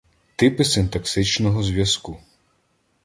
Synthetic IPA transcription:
t̪ɪpɪsɪnt̪ɐksɪt͡ʃnɔɦɔzʲʋʲjɐsku

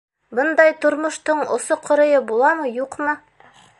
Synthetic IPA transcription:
bɤnd̪ɑjt̪ŏɾmŏʃt̪ɤɴŏ̰soqʰŏɾɤ̆jɤbulˠɑmɤjuqmɤ

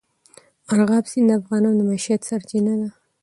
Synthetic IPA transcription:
aɾɣɑbsind̪əafɣɑnɑnod̪əmaʃijat̪saɾt͡ʃinad̪a

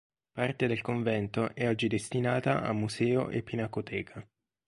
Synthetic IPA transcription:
part̪ed̪elkoɱvɛnt̪oʔɛɔd͡ʒːid̪est̪inaːt̪aa̰mːusɛːo̰ʔḛpːinakot̪ʰɛːkʰa

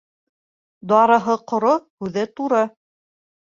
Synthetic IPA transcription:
d̪ɑɾɤ̆ɦɤqŏɾohʉðɘt̪uɾɤ

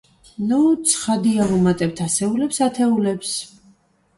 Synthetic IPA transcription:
nut̪sʰχad̪iaɾumat̪ʼɛp̚t̪ʰasɛulɛpsat̪ʰɛulɛps

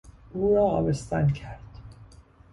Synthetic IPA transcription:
ʔuːɾɒːɒːbest̪æncʰæɾd̪̥

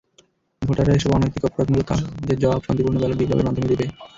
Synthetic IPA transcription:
bʱoʈaɾaeʃɔbanojt̪ikɔpoɾad̪mulot̪a̰d͡ʑeɾd͡ʑɔabʃant̪ipuɾnobɔlabiblʱa̰bḛɾmad̪ʱomed̪ibe

